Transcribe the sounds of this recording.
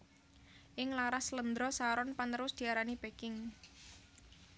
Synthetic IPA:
ʔɪŋlaɾaslənd̪ɾɔsaɾɔnpanəɾʊsd̪̥i̤aɾanibekɪŋ

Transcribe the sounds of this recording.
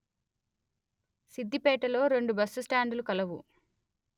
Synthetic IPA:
sid̪ʱːipɛːʈɐlo̞ːɾe̞ɳɖubɐsːusʈaːɳɖulukɐlɐʋṵ

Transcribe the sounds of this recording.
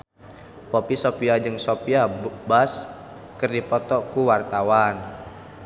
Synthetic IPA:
popisopiad͡ʒɨŋsopiabas | kɨrdipɔt̪ɔkuwart̪awan

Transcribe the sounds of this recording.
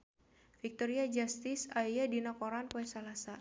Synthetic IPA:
fik̚t̪ɔɾiad͡ʒast̪ɪsaijadinakɔɾanpoɛsalasa

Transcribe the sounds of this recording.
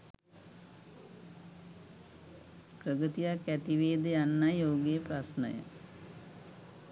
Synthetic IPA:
kɾəɡət̪ijakːæt̪iʋeːd̪əjanːajjoːɡejəpɾasnə̰jə̰

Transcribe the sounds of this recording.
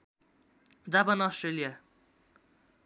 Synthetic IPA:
d͡zapanʌsʈrelija

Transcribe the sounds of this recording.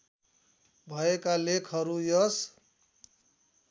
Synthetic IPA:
bʱʌekalekʰɦʌɾujʌs

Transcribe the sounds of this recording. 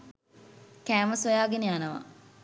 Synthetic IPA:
kæːməsʋɐjaːɡeneanəʋa̰

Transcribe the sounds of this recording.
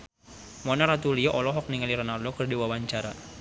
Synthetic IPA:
mɔnaɾat̪uliɔʔɔlɔɦɔk̚niŋaliɾɔnardokərdiwawaɲt͡ʃaɾa

